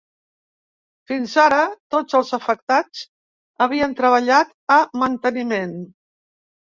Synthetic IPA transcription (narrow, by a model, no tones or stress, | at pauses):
finzaɾət̪od͡zəlˠzəfək̚t̪at͡s | əβ̞iənt̪ɾəβ̞əʎat̪əmənt̪ənimen